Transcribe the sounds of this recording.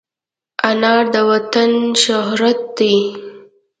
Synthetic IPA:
anɑɾd̪əwat̪anʃʊɦɾat̪̚d̪i

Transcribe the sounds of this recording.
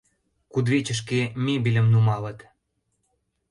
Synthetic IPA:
kud̪βet͡ɕə̆ʃ̬kemʲebilʲə̆mnumɑlə̆t̪

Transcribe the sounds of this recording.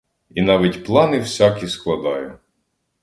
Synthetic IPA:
inɑʋʲitʲplˠɑnɪwsʲɑkʲisklˠɐd̪ɑjʊ

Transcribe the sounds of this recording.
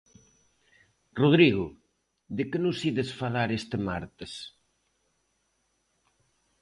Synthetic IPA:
roð̞ɾiɣʊ | ðɪkɪnʊsiðesfalaɾest̪ɪma̰ɾt̪ɪs

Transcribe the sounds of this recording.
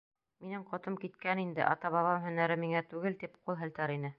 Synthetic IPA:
minɘɴqɒt̪ɤmkit̪kænind̪ɘ̰ʔɑ̰t̪ɑβɑβɑmɦɵ̆næɾɘmiŋæt̪ʉɡɘlt̪ipqulˠɦɘ̆lt̪æɾinɘ

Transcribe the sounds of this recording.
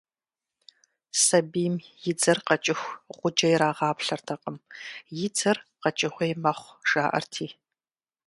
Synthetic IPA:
sɐbiːmjɪd͡zɐrqɐt͡ʃʼɪxʷʁʷʊd͡ʒɐjɪɾaːʁɑːpɬɐrtʰɐqʼəmjɪd͡zʰɐrqɐt͡ʃʼɪxʷɐjmɐχʷʒ̥aːʔɐ̰rtʰiː

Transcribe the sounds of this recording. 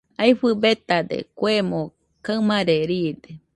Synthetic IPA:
ajɸɨbet̪ad̪ḛkʷemõ | kamaɾeɾid̪e

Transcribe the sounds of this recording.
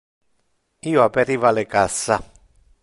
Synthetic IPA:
ioapeɾivalekasːa

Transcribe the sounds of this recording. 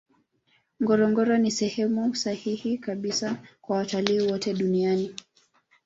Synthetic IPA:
ŋɡɔɾɔŋɡɔɾɔnisɛhɛmusahihikaɓisakwawataliːwɔtɛɗuniani

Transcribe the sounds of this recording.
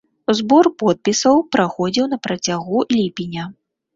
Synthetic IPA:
uzbɔrpɔt̪̚pʲisɐwpɾaxɔd͡zʲiwn̪ɐpɾɐt͡sʲaɣulʲipʲinʲɐ

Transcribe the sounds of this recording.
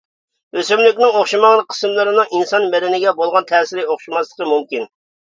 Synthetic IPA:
øsymlɪkʲnɪŋoχʃimɑŋnəqʰːə̥sɨmlˠɨɾɨnɨŋinsɑnmɛɾɪnɪɡʲɛbolˠʁɑnt̪ʰɛːsɪɾɪoχʃimɑslˠə̥qəmumkʲin

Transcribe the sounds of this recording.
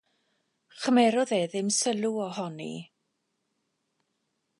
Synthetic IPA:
χəmɛɾɔðeːðɪmsəlˠuɔhɔnḭ

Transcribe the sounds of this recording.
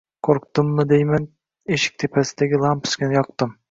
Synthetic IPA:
kʰoɾqt̪ɨmlˠɨd̪ejmɛn | eʃi̥k̚ʲt̪ʰepʰɛsɪd̪ɛɡʲilˠɑmpʰɨ̥skʲinɪjɑq̚t̪ɨm

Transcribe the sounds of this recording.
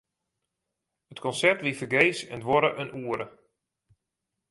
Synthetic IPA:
ətkɔnsɛrtʋifərɡeːsɛndʋɔɾəʔənuːəɾə

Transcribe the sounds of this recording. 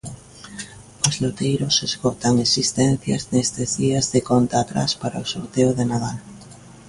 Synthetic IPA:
ozlot̪ejɾosezɣot̪aŋesist̪ɛnθjɐ̰znest̪ezðiɐzðekont̪aːt̪ɾa̰spaɾaosoɾt̪eoðenaðal

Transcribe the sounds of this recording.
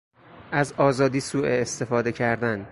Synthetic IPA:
ʔæzɒːzɒːd̪iːsuːʔeːst̪e̞fɒːd̪e̞cʰæɾd̪æn

